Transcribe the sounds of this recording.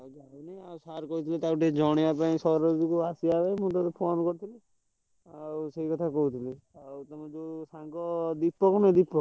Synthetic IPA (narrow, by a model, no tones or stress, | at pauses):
d͡ʒaniawsaɾkɔɦut̪ʰilet̪auʈid͡ʒɔɽ̃eapaĩsɔɾɔd̪ukuasiabemũt̪ɔt̪ɔpʰonkɔɾt̪ʰili | awseɦikɔt̪ʰakɔɦut̪ʰili | awt̪ɔmãd͡ʒosãŋkɔd̪ipːɔkɔnɔĩd̪ipːɔ